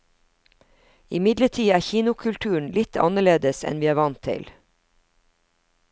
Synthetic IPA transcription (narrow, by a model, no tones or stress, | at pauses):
ɪmɪd̪ləʈʰiːæːçiːnʊkʰʉlt̪ʰʉːɳ̩lɪt̪ʰɑ̰nəɭeːd̪əsɛ̰nʋiːæːʋɑnt̪ʰɪ̰l